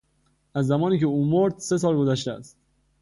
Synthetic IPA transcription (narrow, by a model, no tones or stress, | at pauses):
æzːæmɒːniːcʰe̞uːmoɾd̪̥se̞s̬ɒːlɡo̞zæʃt̪eæ̰st̪